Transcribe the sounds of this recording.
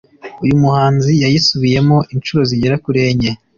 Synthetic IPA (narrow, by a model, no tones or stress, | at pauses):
ujumuhaːnzijajisuβije̞mo̞ʔint͡ʃuɾo̞ziɟeɾakuɾe̞ːɲe